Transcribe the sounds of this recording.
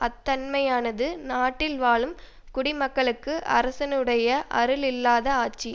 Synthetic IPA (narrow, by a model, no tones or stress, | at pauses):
ɐt̪ːɐnmɐjaːnɐðɯnaːʈːɪlʋaːɭɯm | kʊɽɪmɐkːɐɭɯkːɯʔɐ̰ɾɐsɐnɯɽɐjɐʔɐ̰ɾɯlɪlːaːðɐaːt͡ʃːi